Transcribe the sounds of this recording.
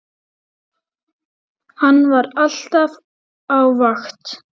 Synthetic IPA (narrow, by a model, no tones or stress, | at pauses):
hanːvaɾal̥t̪av | awvaxt̪